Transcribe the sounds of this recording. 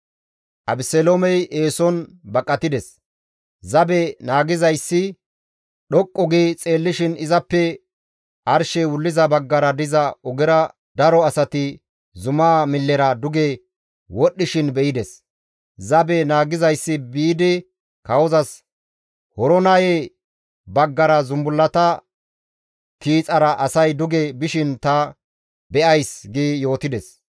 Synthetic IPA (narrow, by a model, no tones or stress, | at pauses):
ʔɐbɪsɛlomɛjʔeːsɔnbɐkʼːɐt̪ɪd̪ɛs | zɐbɛnaːɡɪzɐjsːɪ | ɗɔkʼːɔɡit͡sʼeːlːɪʃɪnɪzɐpːɛ | ʔɐɾʃɛwʊlːɪzɐbɐɡːɐɾɐd̪ɪzɐɔɡɪɾɐ | d̪̥ɐɾɔɐsɐt̪ɪ | zʊmaːmɪlːɛɾɐd̪ʊɡe | wɔɗːɪʃɪnbɛʔɪd̪ɛs | zɐbɛnaːɡɪzɐjsːɪbiːd̪ɪ | kɐwɔzɐs | hɔɾɔnɐje | bɐɡːɐɾɐzʊmbʊlːɐt̪ɐ | kiːt͡sʼɐɾɐʔɐsɐjd̪ʊɡebɪʃɪnt̪ɐ | bɛʔɐjsɡijo̞ːt̪ɪd̪ɛs